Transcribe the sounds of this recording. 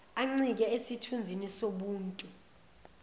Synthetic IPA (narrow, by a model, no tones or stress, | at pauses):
aŋ͡ǀik̬ɛesitʰund͡zʱinisoɓuːntʼu